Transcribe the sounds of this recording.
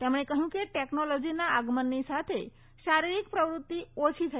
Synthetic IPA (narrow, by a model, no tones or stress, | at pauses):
t̪emɽ̃ekəɦjũkeʈeknolɔd͡ʒinaəɡmənːisat̪ʰe | ʃaɾiɾikpɾəʋɾut̪ːiot͡ʃʰit̪ʰə